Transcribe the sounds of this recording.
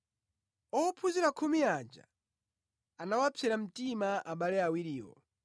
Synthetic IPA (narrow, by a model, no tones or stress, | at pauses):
ɔpʰuziɾakʰumiad͡ʒa̰ | anawapʰɛɾam̩timaʔaɓalɛawiɾiːwɔ̰